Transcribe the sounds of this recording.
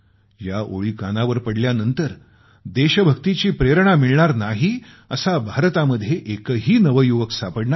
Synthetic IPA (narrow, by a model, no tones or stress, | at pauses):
jaʔo̰ɭiːkanaʋəɾpəɽljanənt̪əɾ | d̪eɕəbʱəkt̪it͡ɕiːpɾeɾɳamiɭɳaɾnaɦi | əsabʱaɾt̪aməd̪ʱːjeʔekəɦiːnəʋəjuʋəksapəɽɳaɾ